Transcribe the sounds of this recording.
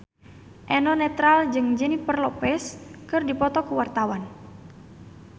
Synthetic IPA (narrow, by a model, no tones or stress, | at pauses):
ʔɛnɔnɛt̪ɾald͡ʒɨŋd͡ʒɛnipərlɔpɛskɨrdipɔt̪ɔkuwart̪awan